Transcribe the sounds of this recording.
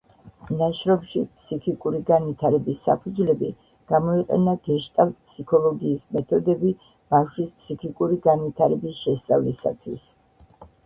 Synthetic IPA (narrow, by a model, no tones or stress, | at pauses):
naʃɾɔbʃipʰsikʰikʼuɾiɡanwit̪ʰaɾɛbisːa̰pʰud̪zlɛbi | ɡ̥amɔiqʼɛ̰naɡ̥ɛʃt̪ʼalˠpʰsikʰɔlˠɔɡiːsmɛt̪ʰɔd̪ɛbi | b̥afʃwispʰsikʰikʼuɾiɡanwit̪ʰaɾɛbisʃɛst̪sʼavlisa̰t̪ʰwis